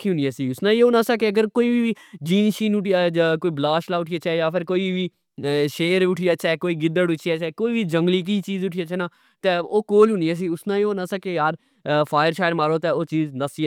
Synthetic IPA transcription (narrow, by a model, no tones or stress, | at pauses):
kʰiːɦʊnijaːsiːʊsnãːioːnãːsaːkeəɡəɾkoːiːʋiːd͡ʒiːnʃiːnʊʈiakoːiːblaːʃlaːʊʈʰijaːt͡ʃɛːjaːpʰɪɾkoːiːʋiː | ʃeːɾʊʈʰijaːt͡ʃɛːkoːiːɡɪd̪əʈʊt͡ʃʰijaːt͡ʃɛːkoːiːʋiːd͡ʒəŋɡliːk̬iːt͡ʃiːzʊʈʰiːaːt͡ʃʰɛːnãː | t̪ẽːoːkoːlɦʊnijaːs̬iːʊsnãːiːoːnãːsakejaːɾ | pʰaːjəɾʃaːjmaːɾoːt̪eːoːt͡ʃiːznəsi